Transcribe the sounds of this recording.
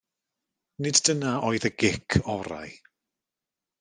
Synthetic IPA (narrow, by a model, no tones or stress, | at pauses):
nɪddənaoːɨðəɡɪkʰɔɾa̰j